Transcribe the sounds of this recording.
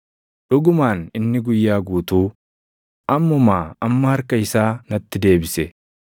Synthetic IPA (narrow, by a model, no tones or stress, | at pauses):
ᶑʊɡʊmaːnɪnːɪɡʊjːaːɡuːt̪uː | ʔɐmːɔmaːɐmːɐhɐɾkɐɪsaːnɐt̪ːɪd̪e̞ːbɪsɛ